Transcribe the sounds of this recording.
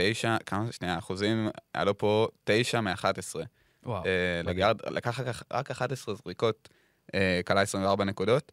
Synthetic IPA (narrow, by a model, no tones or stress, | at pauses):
ejʃakʰamaʃnejaːχuzima̰lupo̞te̞jʃameaχatesʁe | waeleɡaʁdlʔa̰kaχkaχʁakaχatesʁezʁiko̞t̚ | ekalaesʁĩmveaʁbanekudo̞t